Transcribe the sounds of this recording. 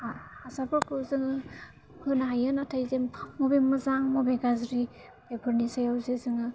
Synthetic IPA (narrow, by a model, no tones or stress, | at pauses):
aasabɔkʰɯwzɯŋɯ | hɯnɦajɯnatʰajzemmɔbemɯzaŋmɔbeɡazɾi | bebʰʱɯɾnisajawzezɯŋɯ